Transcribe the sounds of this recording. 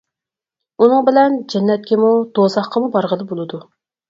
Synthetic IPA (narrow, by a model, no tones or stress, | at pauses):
unɨŋbɪlɛnd͡ʒɛnːɛt̪̚kʲɛmud̪̥osɑχqʰɑmubɑɾʁəlɨbolˠɨd̪u